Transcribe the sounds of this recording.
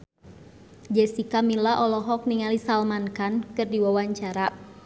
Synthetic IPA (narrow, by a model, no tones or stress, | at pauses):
d͡ʒɛsikamilaʔɔlɔɦɔk̚niŋalisalmankankɨrdiwawaɲt͡ʃaɾa